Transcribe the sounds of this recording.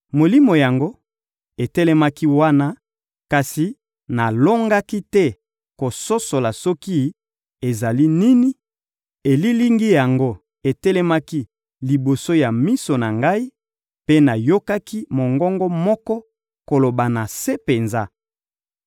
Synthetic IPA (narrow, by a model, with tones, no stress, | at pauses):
mo˨li˦mo˨ja˨ŋɡo˦ | e˨tɛ˦lɛ˦ma˦ki˦wa˦na˦ | ka˨si˨ | na˨lo˦ŋɡa˦ki˦tɛ˦ | ko˨so˦so˨la˨sɔ˦ki˦ | e˨za˨li˦ni˦ni˦ | e˨li˦li˦ŋɡi˦ja˨ŋɡo˦ | e˨tɛ˦lɛ˦ma˦ki˦ | li˨bo˨so˦ja˨mi˦so˨na˨ŋɡa˦i˦ | pe˦na˨jo˦ka˦ki˦mo˨ŋɡɔ˦ŋɡɔ˦mɔ˦kɔ˦ | ko˨lo˨ba˨na˨se˦pe˨nza˦